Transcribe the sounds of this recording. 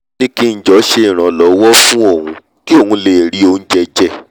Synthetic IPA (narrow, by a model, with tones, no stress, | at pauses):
nĩ˦ki˦n̩˦d͡ʒɔ˨˦ʃe˦˨ɾ̃ã˨lɔ˨wɔ˦fũ˦o˦˨hũ˧ | ki˦o˦˨ũ˧le˨ɾi˨˦o˧n̩˦d͡ʒɛ˦˧d͡ʒɛ˦˨